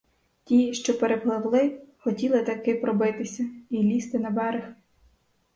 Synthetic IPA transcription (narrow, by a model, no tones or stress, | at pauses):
tʲiʃt͡ʃɔpeɾeplˠɪwlˠɪxɔtʲilˠɪt̪ɐkɪpɾɔbɪt̪ɪsʲɐilʲist̪ɪnɐbɛɾɪx